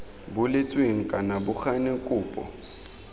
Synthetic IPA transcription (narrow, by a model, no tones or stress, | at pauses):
bʊlɪt͡sʼweŋ̩kʼanabʊxanɪŋkʼuːpʼɔ̰